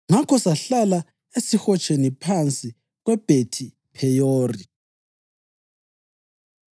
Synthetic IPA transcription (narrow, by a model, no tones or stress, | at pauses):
ŋakʰɔsaɬala | esixɔt͡ʃʼenipʰant͡sʼi | ɣwɛb̥ʱetʰi | pʰɛjoːri